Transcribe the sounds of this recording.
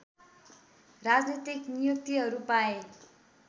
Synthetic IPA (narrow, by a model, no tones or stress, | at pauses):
rad͡znit̪iknijok̚t̪iɦʌɾupae